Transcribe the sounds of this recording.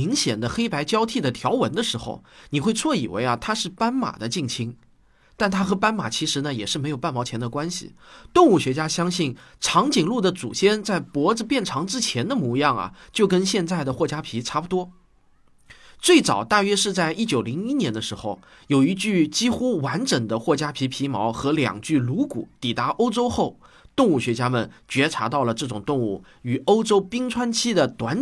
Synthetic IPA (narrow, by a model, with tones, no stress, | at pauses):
i˧˥ŋɕjɛ̰˨˩nd̪ə˦xe˥ɪpa˧˥ɪt͡ɕjɑ˥ʊt̪ʰi˥˩d̪ə˩t̪ʰjɑ˧˥ʊwə˧˥nd̪ə˧ʂɻ̩˧˥xo̰˧ʊni˨˩xwe˥˧ɪt͡sʰwɔ˥˩ḭ˨˩wḛ˧˥ɪɐ˨t̪ʰa˥ʂɻ̩˥˩pa˥nma̰˨˩d̪ə˦t͡ɕi˥˩ŋt͡ɕʰi˧˥ŋ | t̪a˥˩nt̪ʰa˥xɤ˧˥pa˥nma̰˨˩t͡ɕʰi˧˥ʂɻ̩˧˥nə˧jɛ˨˩ʂɻ̩˥˩m˧˥ɪjpa˥˩nmɑ˧˥ʊt͡ɕʰɛ˧˥nd̪ə˧kwa˥nɕḭ˨t̪ʊ˥˧ŋu˥˩ɕɥɛ˧˥t͡ɕja˥ɕjɑ˥ŋɕi˥˩n | ʈ͡ʂʰɑ˧˥ŋt͡ɕi˨˩ŋlu˥˩d̪ə˩t͡sṵ˨˩ɕjɛ˥nt͡sa˥˩ɪpwɔ˧˥d͡zɹ̩˧pjɛ˥˩nʈ͡ʂʰɑ˧˥ŋʈ͡ʂɻ̩˥t͡ɕʰjɛ˧˥nd̪ə˧mu˧˥jɑ˥˩ŋɐ̰˩t͡ɕjo˥˩ʊk̬ə˥nɕjɛ˥˧nt͡sa˥˩ɪd̪ə˩xwɔ˥˩t͡ɕja˥pʰi˧˥ʈ͡ʂʰa˥pu˨˩t̪wɔ˥ | t͡swe˥˩ɪt͡sɑ̰˨˩ʊt̪a˥˩ɥɛ˥ʂɻ̩˥˧t͡sa˥˧ɪʔi˥t͡ɕjo˨˩ʊli˧˥ŋi˥njɛ˧˥nd̪ə˧ʂɻ̩˧˥xo˥˧˩ʊ | jo˨˩ʊi˧˥t͡ɕy˥˩t͡ɕi˥xu˥wa˧˥nʈ͡ʂə˨˩ŋd̪ə˦xwɔ˥˩t͡ɕja˥pʰi˧˥pʰi˧˥mɑ˧˥ʊxɤ˧˥ljɑ̰˨˩ŋt͡ɕy˥˩lu˧˥kṵ˨˩t̪i˨˩t̪a˧˥ʔo˥ʊʈ͡ʂo˥ʊxo˥˩ʊ | t̪ʊ˥˧ŋu˥˩ɕɥɛ˧˥t͡ɕja˥mə˨˩nt͡ɕɥɛ˧˥ʈ͡ʂʰa˧˥t̪ɑ˥˩ʊlə˩ʈ͡ʂɤ˥˩ʈ͡ʂʊ˨˩ŋt̪ʊ˥˧ŋu˥˩ | y˨˩o˥ʊʈ͡ʂo˥ʊpi˥ŋʈ͡ʂʰwa˥nt͡ɕʰi˥d̪ə˨t̪wa˧˥n